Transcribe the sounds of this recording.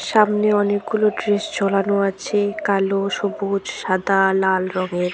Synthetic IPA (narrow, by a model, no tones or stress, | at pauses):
ʃamneɔnek̚ɡuloɖɾeʃd͡ʑʱɔlanoat͡ɕʰekaloʃobud͡ʑʃad̪ʱalalɾɔŋeɾ